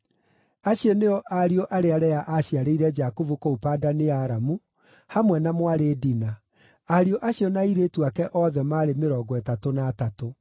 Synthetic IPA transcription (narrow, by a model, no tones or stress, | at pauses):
aɕiɔneɔʔaɾioʔaɾeaɾɛaʔaɕiaɾeiɾɛd͡ʒakovukoupaːdaneaɾamu | hamwɛnamwaɾeːdina | aɾioʔaɕiɔnaiɾeːtuakɛʔɔðɛmaːɾemeɾɔɡɔɛtatonatato